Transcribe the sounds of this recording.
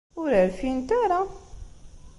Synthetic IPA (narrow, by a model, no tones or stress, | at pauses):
ʊɾəɾfint̪aɾˤa